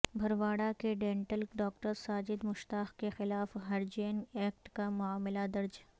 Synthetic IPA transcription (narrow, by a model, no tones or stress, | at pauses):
bʱɐɾʋaːɽakeɖẽːɳʈəlɖaːkʈəɾsaːd͡ʒɪd̪mʊʃt̪aːxkexɪlaːfɦɐɾd͡ʒeːnɛːk̚ʈkamʊaːmɪlad̪ɐɾd͡ʒ